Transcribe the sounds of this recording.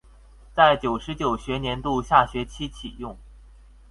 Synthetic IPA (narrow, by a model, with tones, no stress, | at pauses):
t͡sa˥˩ɪt͡ɕjo˨˩ʊʂɻ̩˧˥t͡ɕjo˨˩ʊɕɥɛ˧˥njɛ˧˥nt̪u˥˧ɕja˥˩ɕɥɛ˧˥t͡ɕʰi˥t͡ɕʰi˨˩jʊ˥˩ŋ